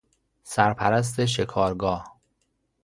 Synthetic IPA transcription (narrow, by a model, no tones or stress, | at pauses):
sæɾpʰæɾæs̬t̪eʃ̬e̞kʰɒːɾɡɒːh